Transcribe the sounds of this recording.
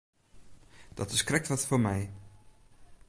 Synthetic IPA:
d̥ɑtəskrɛk̚tʋɑtfoːɹmɛj

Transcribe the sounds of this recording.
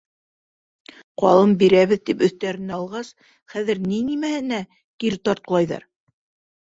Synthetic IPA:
qɑ̰lˠɤmbiɾæβɘ̆ðt̪ipɵ̆θt̪æɾɘ̆næɑlˠʁɑs | χæðɘɾninimæhɘ̆næ | kiɾt̪ɑɾt̪lˠɑjðɑ̰ɾ

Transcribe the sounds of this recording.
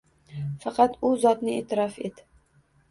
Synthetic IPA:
fɑqʰɑt̪ʊzɒt̪nɪeːt̪ʰɪɾɒfet̪

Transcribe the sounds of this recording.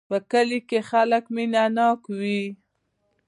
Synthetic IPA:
pəkəlikexaləkminanɑkwi

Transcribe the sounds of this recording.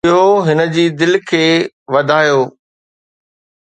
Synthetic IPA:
ɦoɦɪnə̆d͡ʑiːd̪ɪlkʰeː | ʋɐd̪ʱaːjoː

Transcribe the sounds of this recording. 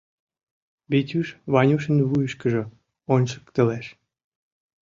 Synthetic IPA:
bet̪ʲyʃβɑnʲuʃə̆nβujəʃkəʒɤ̆ | onʲʃə̥kt̪ə̆leʃ

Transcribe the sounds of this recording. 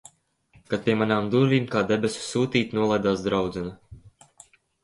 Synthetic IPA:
kat̪̚pʲiɛmanaːmd̪uɾvʲiːmkaːd̪ebʲesʲu̥suːt̪iːt̪ʲnuɔlˠajd̪aːsd̪ɾawd̪zɛna

